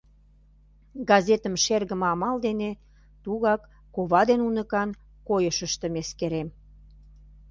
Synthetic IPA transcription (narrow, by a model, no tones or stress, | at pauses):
ɡɑzet̪əmʃerɣəmɑmɑld̪ene | t̪uɣɑkː | oβɑd̪enunəkɑn | kojəʃəʃt̪ə̆meskeɾem